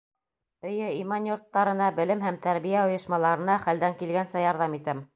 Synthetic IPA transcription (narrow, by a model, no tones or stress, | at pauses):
ɵ̆jɘimɑnjoɾt̪ːɑɾɤ̆nɑbɘ̆lɘmhæmt̪æɾβijæŏjɤ̆ʃmɑlˠɑɾɤ̆nɑχæld̪æŋkilɡænsæjɑɾðɑmit̪æm